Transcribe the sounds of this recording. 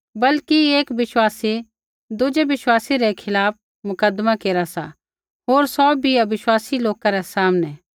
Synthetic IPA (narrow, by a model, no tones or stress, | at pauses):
bɐlkieːkʋɪʃwaːsi | d̪ʊd͡ʒɛʋɪʃwaːsiɾɛkʰɪlaːp̚ʰ | mʊkəd̪makeːɾasa̰ | ɦoːɾsɔːbʱiaʋɪʃwaːsiloːkaɾɛsaːmnɛ